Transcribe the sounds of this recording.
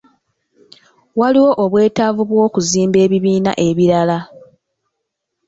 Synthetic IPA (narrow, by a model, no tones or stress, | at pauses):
waliwo̞ʔoβwe̞ːtavuβwo̞ːkuziːmbe̞ːβiβiːna̰ʔe̞βiɾala